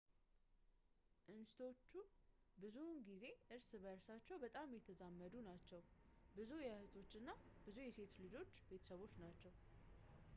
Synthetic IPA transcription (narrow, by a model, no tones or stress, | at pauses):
ʔɨnsɨ̥t̪ʰo̞t͡ʃːubɨzunɡize̞ʔɨɾsbəɾsat͡ʃːɛwbət̪ʼamjɛt̪ʰəzamːəd̪unat͡ʃːɛwbɨzujɛhɨt̪ʼʰo̞t͡ʃːɨnːabɨzujɛse̞t̪lɨd͡ʒo̞t͡ʃːbe̞t̪ʰəsəβo̞t͡ʃːnat͡ʃːɛw